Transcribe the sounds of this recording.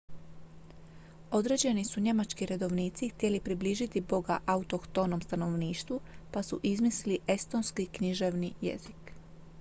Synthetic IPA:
o̞d̪ɾe̞d͡ʑe̞nisuɲe̞mat͡ʃkiɾe̞d̪o̞ʋniːt̪sixt̪je̞lipɾibliːʒit̪ibo̞ɡaʔaut̪okt̪onomst̪ano̞ʋniːʃt̪ʋupasuʔizmisiliʔe̞st̪o̞nskikɲiʒe̞ʋnijḛzik

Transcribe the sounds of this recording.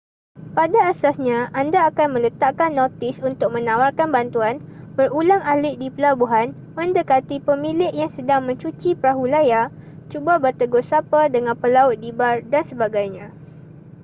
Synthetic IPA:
padaːsasɲãandaːkanmə̃lət̪aʔkanːɔt̪ɪsunt̪ʊk̚mə̃nãwarkanbant̪uanbərulaŋalɪʔ̚dipəlabuɦan | mə̃ndəkat̪ipəmĩlɪʔjaŋsədaŋmə̃ɲt͡ʃut͡ʃipəɾaɦulaja | t͡ʃubabərt̪əɡʊsapadəŋãnpəlaʊt̪̚dibardansəbaɡajɲã

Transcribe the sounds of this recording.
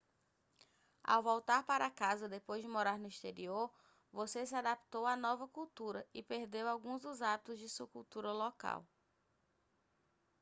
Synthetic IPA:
a̰wvowt̪aɾpaɾakazɐd̪epojzd͡ʒɪmoɾaɾnʊiʃt̪eɾioɾ | vosesɪad̪apt̪owanɔvɐkuwt̪uɾɐɪpeɾd̪ewawɡũzd̪ʊzabit̪ʊzd͡ʒɪsuɐkuwt̪uɾɐloka̰w

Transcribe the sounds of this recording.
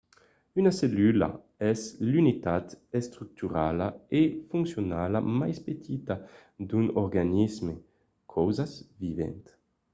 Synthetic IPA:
ynaselyla̰ | ɛzlynit̪at̪est̪ɾyk̚t̪yɾalaefuŋksjonalamajspet̪ʰit̪ad̪ynɔɾɡanizme | kʰɔwzazvivɛ̰nt̪

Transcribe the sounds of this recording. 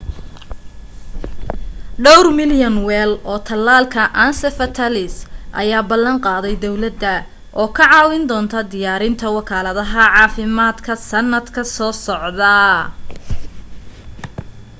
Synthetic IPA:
ɖɔwrmɪljɐnwɛlɔːt̪ʰɐlːaːlkʰɐʔaːnsɛfɐt̪ʰɐlɪsʔɐ̰jaːbɐlːɐɴqɑːðɛjd̪ɔwlɐd̪ɐ | ʔɔːkʰɐʕɑːwɪnd̪ɔːnt̪ʰɐd̪ɪjaːɾɪnt̪ʰɐwɑkʰaːlɐðɐɦɐʕɑːfɪmaːd̪kʰɐsɐnːɐd̪kʰɐsɔːsɔʕðɐ

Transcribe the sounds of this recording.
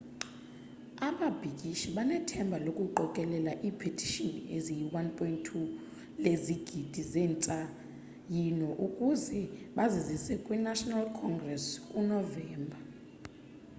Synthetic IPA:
aɓab̥ʱikʼiʃiɓanɛtʰɛmbʱalokʼuǃɔkʼɛlɛlaʔiːpʰetʰi̥ʃinḭezijiwanpʰʼɔintʰːu | leziɡ̥ʱid̥ʱizɛːnt͡sʼa | jinɔʔukʼuzɛɓazizisɛkʼwinaʃɔnalkʰɔŋɡrɛskʼunɔvɛːmbʱa

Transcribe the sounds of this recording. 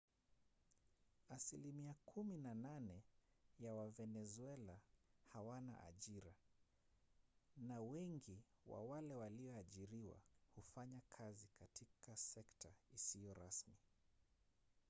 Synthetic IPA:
asilimiakʰuminananɛ | jawavɛnɛzuɛlahawana̰ʔa̰ʄiɾa | nawɛŋɡiwa̰walɛwaliɔaʄiɾiwa̰hufaɲakʰazikatʰikasɛktʰaisijɔɾasmi

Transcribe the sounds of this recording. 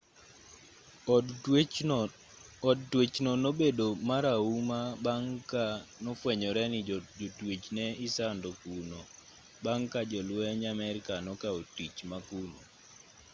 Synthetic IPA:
dtwet͡ʃnonobedomaɾaumabaŋkanɔfwɛɲɔɾɛnid͡ʒotwet͡ʃnɛɪsandokuno | baŋkad͡ʒɔlwɛɲamɛɾkanɔkaotit͡ʃmakuno

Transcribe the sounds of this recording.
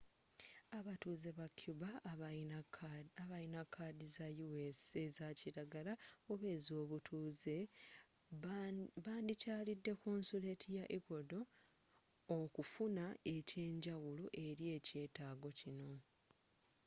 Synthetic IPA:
aβatuːze̞βakʰjuβa | aβajinakʰːaːdizajuwesezaciɾaɡalaoβe̞ːzo̞ːβutʰuːze̞ | βaːndicaːlidːe̞koːnsule̞tʰijaʔeko̞do̞ː | kufunae̞ce̞ːɲɟawuloʔe̞ɾje̞ːce̞ːtaːɡo̞cino̞

